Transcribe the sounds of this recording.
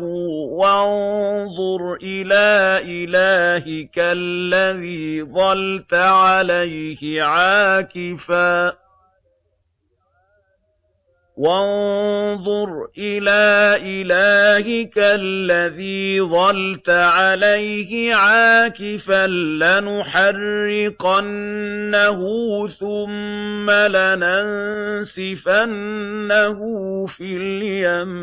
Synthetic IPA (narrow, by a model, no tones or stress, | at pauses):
wanðˤʊɾʔɪlaːʔɪlaːhɪkalːaðiːðˤɑlt̪aʕalajhɪʕaːkɪfaː | wanðˤʊɾʔɪlaːʔɪlaːhɪkalːaðiːðˤɑlt̪aʕalajhɪʕaːkɪfanlanʊħarːɪqanːaɦʊθʊmːalanansɪfanːahʊːfiljam